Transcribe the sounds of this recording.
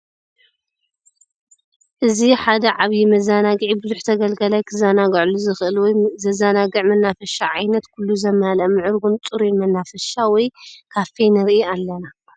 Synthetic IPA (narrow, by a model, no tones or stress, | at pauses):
ʔɨziħad̪ɐʕaβjimɐzanaɡɨʕibɨzuħt̪ʰɐɡɐlɡɐlajkʰɨzanaɡʕluzɨxʔɨlwɔjzɐzanaɡɨʕmɐnːafɐʃaʕajnɐt̪kʰulːuzɐmalɐmɨʕɨɾɡunt͡sʼuɾimɐnːafɐʃawɔjkʰaftʰejnɨɾʔialːɐna